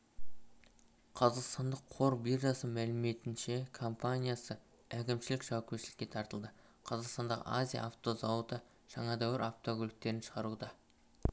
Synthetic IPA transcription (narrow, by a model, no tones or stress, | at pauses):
qʰɑzɑqst̪ɑnd̪əqʰːo̞ɾbirʒɑsəmælɪme̞t̪ɪnʃe̞kʰo̞mpanʲijasə | ækʲɪmʃɪlɪkʒ̥ɑwakʲeʃɪlɪkʲːe̞t̪ʰɑɾt̪əlˠd̪ə | qʰɑzɑqst̪ɑnd̪ɑʁə̰azʲija̰ʔaft̪o̞zawət̪ə | ʒ̥ɑɴɑd̪æwɪɾʔaft̪o̞ɡʲolɪk̚t̪e̞ɾɪnʃə̥ʁɑɾud̪ɑ